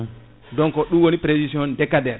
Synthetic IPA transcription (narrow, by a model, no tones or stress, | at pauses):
dɔnkɔɗumwonipɾesisiɔndɛkːadɛɾ